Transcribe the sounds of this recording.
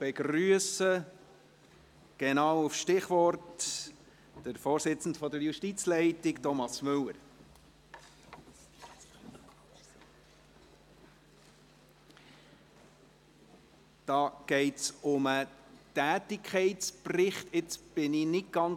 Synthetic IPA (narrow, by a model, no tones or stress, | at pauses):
b̥ɛɡ̥rɾyəsə | ɡ̥ɛnɑːwʊfʃtɪχʋɔɾt | d̥əɾfoːɾsɪt͡sn̩dfɔdəɾjuʃtit͡slɛɪtɪɡtɔmɑsmʏləɾ | d̪̥ɑːɡ̥ɛɪtsʊmətæːtɪkʰχɛɪtsprɪχtʰɪt͡sb̥ɪnɪnɪt̚ɡ̥ɑn